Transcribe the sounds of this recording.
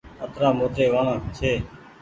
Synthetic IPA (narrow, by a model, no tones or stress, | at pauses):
ət̪ɾaːmoːt̪eːʋaːɳãːt͡ʃʰeː